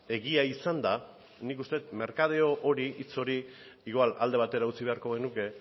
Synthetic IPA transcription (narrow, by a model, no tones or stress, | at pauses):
e̞ɣiaisand̪a | nikust̪e̞t̪me̞ɾkað̞eoʔoɾiʔit͡so̞ɾi | iɣwala̰ld̪e̞β̞at̪e̞ɾaut͡siβe̞aɾko̞ɣ̞e̞nuke̞